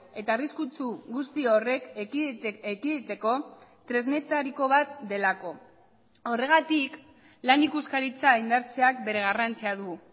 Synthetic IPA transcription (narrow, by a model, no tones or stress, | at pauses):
e̞t̪aːriskut͡suɡust̪io̞re̞k | ekiðit̪e̞ko̞t̪ɾe̞zne̞t̪aɾiko̞βat̪̚d̪e̞lako̞ | o̞re̞ɣ̞at̪ik | lanikuskaɾit͡saind̪aɾt͡se̞ak̚be̞ɾe̞ɣ̞arant͡siaðu